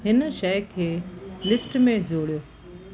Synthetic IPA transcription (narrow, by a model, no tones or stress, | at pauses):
hɪnʃɐjkʰeːlɪsʈmẽd͡ʑoːɽijoː